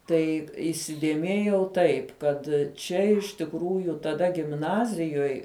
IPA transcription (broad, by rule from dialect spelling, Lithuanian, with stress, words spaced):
ˈtɐɪ iːsʲɪdʲeːˈmʲeːjɛʊ ˈtɐɪp ˈkɐt ˈt͡ʃʲɛ ɪʃ tʲɪkˈruːjʊ tɐˈdɐ ɡʲɪmˈnɑːzʲɪjoːj